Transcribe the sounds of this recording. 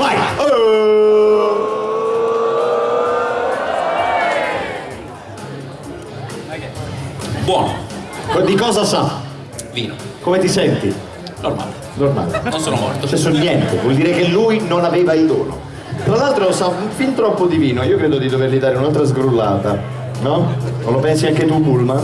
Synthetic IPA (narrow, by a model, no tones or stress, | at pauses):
vaj | bwɔːno | d̪ikɔːzasa | viːnokomet̪isɛnt̪i | norma̰l | norma̰lnnonsoːnomɔ̰rt̪t͡ʃɛsonjɛnt̪evwɔld̪iːɾek̟elːujnonaveːvaild̪o̰ːno̰ | t̪ɾalːalt̪ɾosapint̪ɾɔpːod̪iviːnoiːokɾɛːd̪od̪id̪overlid̪aːɾeunalt̪ɾazɡɾulːaːt̪a | nɔolopɛnsiaŋk̟et̪upulma